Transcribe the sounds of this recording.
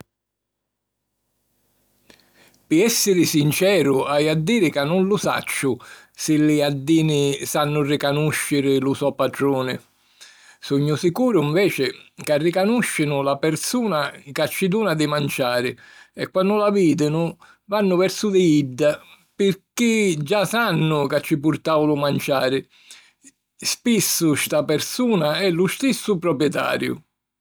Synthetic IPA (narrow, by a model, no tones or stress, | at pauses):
pɪɛsːɪɾɪsint͡ʃɛːɾʊajad̪ːiːɾɪkanːʊnlʊsa̰t͡ʃːʊ | sɪlɪad̪ːiːnɪsanːʊrɪkanuʃːɪɾɪlʊsɔpaʈɾuːnɪ̰ | suɲːʊsikuːɾʊiɱvɛːt͡ʃɪkarːɪkanuʃːɪnʊlapɛɾsuːnakat͡ʃːid̪uːnad̪ɪmant͡ʃaːɾɪɛkːwanːʊlaviːd̪ɪnʊ | vanːʊvɛɾsʊd̪ɪiɖːa | pɪrkid͡ʒasanːʊkat͡ʃːip̬uɾt̪aːwlʊmant͡ʃaːɾɪ | spisːʊst̪apɛɾsuːnaɛlʊst̪isːʊpɾɔpjɛt̪a̰ːɾjʊ̰